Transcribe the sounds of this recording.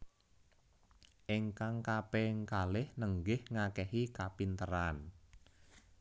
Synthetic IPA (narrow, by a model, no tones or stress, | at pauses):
ʔɪŋkaŋkapɛŋkalɪhnəŋɡɪhŋakɛhikapint̪əɾan